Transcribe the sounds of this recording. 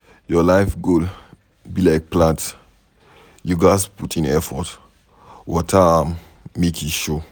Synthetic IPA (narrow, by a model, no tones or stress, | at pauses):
jɔlaɪfɡol | bilaɪk̚plãnt | juɡaɪsputʰĩnɛfɔt | wɔtʰamː | ekʰuʃo